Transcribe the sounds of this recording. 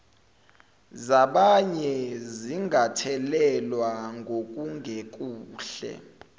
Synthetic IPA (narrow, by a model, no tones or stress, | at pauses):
zaɓaɲɛziŋʱatʰɛlɛlwaŋɡʱok̬ʼuŋɡʱek̬ʼuːɬɛ̰